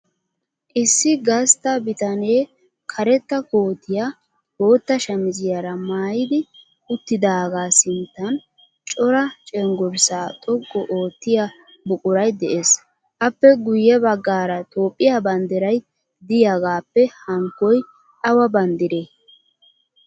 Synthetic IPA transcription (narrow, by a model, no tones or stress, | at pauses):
ʔɪsːɪɡɐst̪ɐbɪt̪ɐne̞ː | kʰɐɾɛt̪ːɐkoːt̪ːɪja | bo̞ːt̪ːɐʃɐmɪzɪjɐɾɐmaːjɪd̪ɪ | ʊt̪ːɪd̪aːɡaːsɪnt̪ːɐn | t͡ʃʼɔɾɐt͡ʃʼɛŋɡɔɾsaːt̪ʼɔɡːɔʔo̞ːt̪ːɪja | bʊkʼʊɾɐjd̪ɛʔeːs | ʔɐpːɛɡʊjːɛbɐɡːaːɾɐt̪ʰo̞ːpʼːɪjabɐnd̪ɪɾɐj | d̪ɪjaɡaːpːɛhɐŋkːɔj | ʔɐwɐbɐnd̪ɪɾeː